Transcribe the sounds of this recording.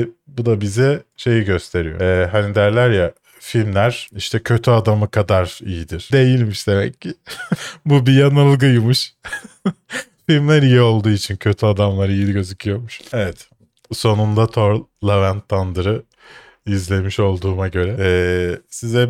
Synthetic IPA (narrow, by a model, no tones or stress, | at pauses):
bud̪abizɛʃe̞jiɟø̞st̪ʰe̞ɾijo̰ːɦanid̪æɾlʲæɾja | filʲmlʲæɾ̥iʃt̪ʰɛcʰø̞t̪ʰyad̪amɯkʰad̪aɾijid̪iɾ̥d̪e̞jilʲmiʃd̪e̞mɛ̰cʰːɪ | bubijanalˠɡɯjmuʃ | filʲmlʲæɾijio̞lˠd̪uːit͡ʃʰincʰø̞t̪ʰyad̪amlˠaɾijilʲiɟø̞zycʰyjo̞muʃevɛt̪ | so̞nund̪at̪ʰo̞ɾlˠavænt̪ʰːand̪ɯɾɯ | izlʲe̞miʃo̞lˠd̪uːmaɟø̞ɾɛɛsizɛ